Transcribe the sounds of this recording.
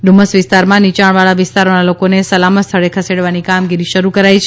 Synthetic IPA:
ɖ̪uməsʋɪst̪aɾmãnit͡ʃaɳ̃ʋaɭaʋɪst̪aɾonalokonesəlamət̪st̪ʰəɭekʰəseɽʋanikamɡiɾiʃəɾukəɾajt͡ʃʰ

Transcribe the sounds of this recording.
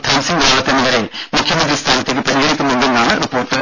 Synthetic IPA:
t̪ʰɐːnsiŋɡ̪aːɭɐt̪ːenːɐʋɐɾemukʰjɐmɐnd̪ɾist̪ʰaːnɐt̪ːekːɨpɐɾiɣɐɽikʲːunːunɖenːaːɳɨripːo̞ːrʈːɨ

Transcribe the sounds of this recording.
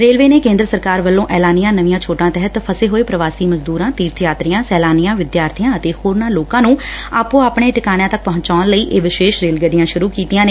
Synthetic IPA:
ɾeːlʋeːneːkẽːnd̪ɾəsəɾkaːɾʋəlːõːʔɛːlaːnɪjãːnəʋɪjãːt͡ʃʰoːʈãːt̪ɛɦət̪pʰəseːɦoːeːpɾəʋaːsiːməzd̪uːɾãːt̪iːɾt̪ʰjaːt̪ɾɪjãːsɛːlaːnijãːʋɪd̪jaːɾt̪ʰijãːət̪eːhoːɾnãːloːkãːnũːaːpũːaːpɳ̃eːʈɪkaːɽ̃ãːt̪ək̚pɔ̃ɦɲt͡ʃaːnləiːʔeːʋɪʃeːʃɾeːlɡəɖɪjãːʃʊɾuːkiːt̪ijãːneː

